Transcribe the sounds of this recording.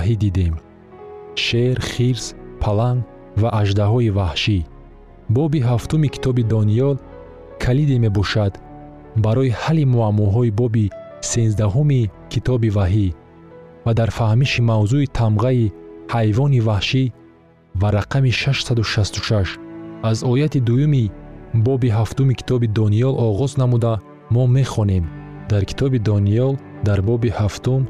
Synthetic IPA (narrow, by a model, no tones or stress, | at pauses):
ɦid̪id̪em | ʃeɾχiɾzpʰalaŋɡ | vaʔaʒd̪aɦɔivahʃi | bɔbiɦaft̪umikʰi̥t̪ʰɔbid̪ɔnijɔl | kʰalid̪eme̞bɔʃad̪ | baɾɔihalimuamːɔɦɔibɔbisenzd̪aɦumikʰit̪ʰɔbivaɦi | vad̪aɾfahmiʃimawzuit̪ʰamʁaihajvɔnivahʃi | vaɾaqʰamiʃaʃsad̪uʃast̪u̥ʃaʃazɔjat̪id̪ujumibɔbiɦaft̪umikʰi̥t̪ʰɔbid̪ɔniɔlɔʁɔznamud̪a | mɔme̞χɔne̞md̪aɾkʰi̥t̪ʰɔbid̪ɔniɔl | d̪aɾbɔbihaft̪um